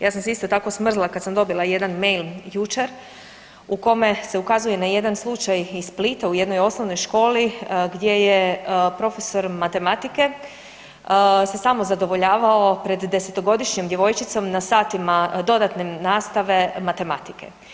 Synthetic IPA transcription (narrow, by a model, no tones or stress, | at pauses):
jaːsamseist̪o̞t̪ako̞smr̩zlˠakad̪samd̪o̞bilˠaje̞d̪anmejljut͡ʃe̞ɾ | uko̞me̞se̞ukazuje̞naje̞d̪anslˠut͡ʃajisplit̪auje̞d̪no̞jo̞sno̞ʋno̞jʃko̞ːliɡd̪je̞jepɾo̞fe̞so̞ɾmat̪e̞mat̪ike̞ | se̞samo̞zad̪o̞ʋo̞ʎaːʋao̞pɾe̞d̪ːe̞set̪o̞ɡo̞d̪iʃɲomd̪je̞ʋo̞jt͡ʃit̪so̞mnasaːt̪imad̪o̞d̪at̪nenaːst̪aʋe̞mat̪e̞mat̪ike̞̰